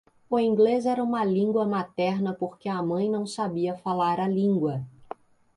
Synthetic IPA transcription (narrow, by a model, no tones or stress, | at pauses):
ʊĩŋɡlezɛɾɐũmɐlĩŋɡwɐmat̪ɛɾnɐpoɾkɪɐmɐ̃j̃nɐ̃w̃sabiɐfalaɾalĩŋɡwɐ